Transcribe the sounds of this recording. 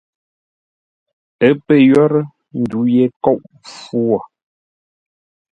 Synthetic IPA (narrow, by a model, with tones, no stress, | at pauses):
ə˨˦pə˦˨jɔ˦ɾə˦ | n̩˨du˨˦jɛ˦kɔ˦˨ʔ | fu˦ɔ˨